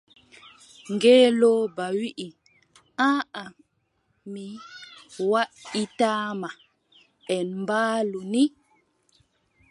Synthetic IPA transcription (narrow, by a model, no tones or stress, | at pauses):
ŋɡeːlobawiʔi | ãːa | mi | waitaːma | ɛnmbaːluni